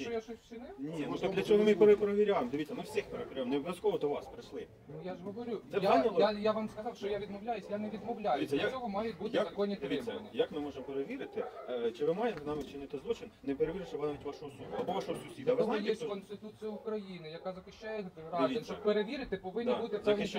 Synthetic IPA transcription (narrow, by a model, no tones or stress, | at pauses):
t͡ʃɔjaʃɔsʲt͡ʃɪnɪnʲinut̪d̪lʲɐt͡ʃɔɦɔmɪpeɾpɾeʋʲiɾʲajemd̪eʋʲit̪ʲt͡sʲːɐmɪwsʲixpeɾepʲiɾʲajmnɛɔbʲʋʲjɐskɔʋɔd̪ɔʋɑspɾɪʃlˠɪ | nujaʒɦɔʋɔɾʲusɛjaanʲɐlˠɔajaʋmskɐzɑwʃt͡ʃɔjaʋʲid̪mɔwlʲajʊsʲjaneʋʲid̪mɔwlʲajʊiːɐjasʲɔɦɔmɑjʊtʲbut̪ɪzɐkɔnʲit̪ɾiɪɐnɪjakmɪmɔʒemɔpeɾeʋʲiɾɪt̪ɪt͡ʃɪʋɪmɑjemnamʲɪt͡ʃɪnɪt̪ɪzlˠɔt͡ʃɪnnɛpeɾeʋiɾɪʃɐʋnaʋʲitʲʋaʃɔɦɔsud̪ʊɐbɔʋaʃɔɦɔsʊsʲid̪ɐʋnjɛsʲkɔnst̪ɪt̪ut͡sʲijʊʊkɾɐjinɪjɐkɑzɐkɪʃt͡ʃajɛt̪ɪʋɾɑzenʲt͡ʃɔbpeɾeʋʲiɾɪt̪ɪpɔʋɪnʲːibut̪ɪsɛʋ